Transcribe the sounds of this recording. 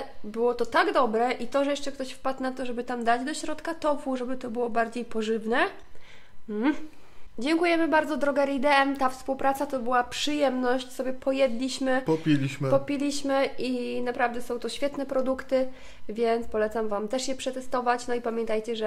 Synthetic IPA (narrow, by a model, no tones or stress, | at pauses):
bɘwɔt̪ɔt̪aɡd̪ɔbɾɛʔit̪ɔʐɛjɛʂt͡ʂɛkt̪ɔɕfpat̪nat̪ɔʐɛbɘt̪amd̪ad͡ʑd̪ɔɕɾɔt̪kat̪ɔfuʐɛbɘt̪ɔbɘwɔbaɾd͡ʑejpɔʐɘvnɛ | m̩ | d͡ʑɛŋkujɛmɘbaɾd̪zɔd̪ɾɔɡɛɾid̪ɛɛmt̪afspuwpɾat̪sat̪ɔbɘwapʂɘjɛmnɔɕt͡ɕsɔbʲjɛpʰɔjɛd̪lʲiɕmɘpɔpʲilʲiɕmpɔpʲilʲiɕmɘʔinapɾavd̪ɛsɔ̃w̃t̪ɔɕfʲjɛt̪nɛpɾɔd̪ukt̪ɘ | vʲjɛnt̪spɔlɛt̪samvamt̪ɛʂjɛpʂɛt̪ɛst̪ɔvat͡ɕnɔipamʲjɛnt̪ajt͡ɕɛʐɛ